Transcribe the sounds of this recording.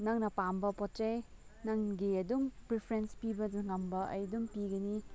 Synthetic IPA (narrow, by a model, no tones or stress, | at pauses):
nɐŋnɐpambɐpɔtɾej | nɐŋɡiɐduŋpɾipʰɾenspibɐdɐŋɐmbɐɐ̰jduŋpiɡɐni